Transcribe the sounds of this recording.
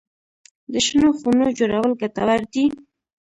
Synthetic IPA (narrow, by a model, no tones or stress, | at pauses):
d̪əʃnoxunod͡ʒoɾawəlɡat̪awaɾd̪i